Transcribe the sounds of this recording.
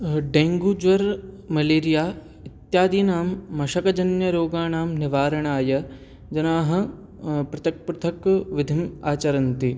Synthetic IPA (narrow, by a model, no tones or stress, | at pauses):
ɖeːŋɡud͡ʒʋɐɾ | mɐleːɾijaː | it̪jaːd̪iːnaːmːɐʃɐkɐd͡ʒɐnjɐɾoːɡaːnaːmnɪʋaːɾɐɳaːjɐ | d͡ʒɐnaːɦɐ̆ | pɾɐt̪ɐk̚pɾʊt̪ʰɐkʋɪd̪ʱimaːt͡ʃɐɾɐnt̪i